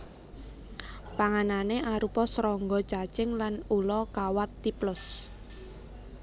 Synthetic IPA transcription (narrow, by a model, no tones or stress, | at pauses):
paŋananeʔaɾupɔsɾɔŋɡɔ̥t͡ʃat͡ʃɪŋlanulɔkawat̪ːiplʊs